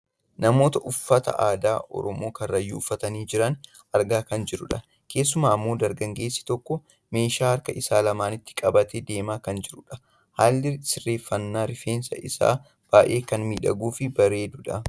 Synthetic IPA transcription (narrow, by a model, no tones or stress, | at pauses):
nɐmo̞ːt̪ɐʔʊfːɐt̪ɐ̰ʔaːd̪aːʔɔ̰ɾɔmo̞ːkɐrːɐjːuʊfːɐt̪ɐniːd͡ʒɪɾɐn | ʔɐɾɡaːkɐnd͡ʒɪɾʊᶑɐ | ke̞ːs̬ːʊmaːɐmːo̞ːd̪ɐɾɡɐŋɡe̞ːsːɪ̥t̪ɔkːɔ | me̞ːʃaːhɐɾkɐʔɪsaːlɐmaːnɪt̪ːɪ̥kʼɐbɐt̪eːd̪e̞ːmaːkɐnd͡ʒɪɾʊᶑɐ̥ | haːlːɪsɪrːe̞ːfːɐnːaːɾɪfeːnsɐ̰ʔɪ̰sa̰ː | b̥aːʔe̞ːkɐnmiːᶑɐ̰ɡuːfɪbɐɾe̞ːd̪ʊᶑɐ